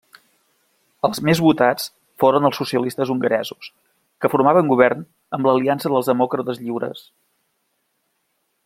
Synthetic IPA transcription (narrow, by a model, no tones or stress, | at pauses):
əlˠzmezβut̪at͡s | foɾənəlˠsːusiəlist̪əzuŋɡəɾɛzus | kəfuɾmaβəŋɡuβ̞ɛrn | əmbləliansəðəlˠzðəmɔkɾət̪əzʎiwɾə̰s